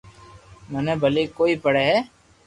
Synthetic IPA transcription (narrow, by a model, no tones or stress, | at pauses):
mɛneːbʱəleːkoːiːpəɽeːɦɛː